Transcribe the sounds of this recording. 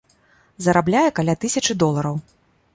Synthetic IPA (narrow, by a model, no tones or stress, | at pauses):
zɐɾablʲajɛkalʲat̪ɨsʲɐt͡ʂɨd̪ɔlˠɐɾɐw